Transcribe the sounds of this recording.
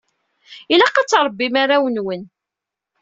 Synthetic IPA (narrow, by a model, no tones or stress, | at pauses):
ilæqɑt͡sːɾˤbːimaɾawənwən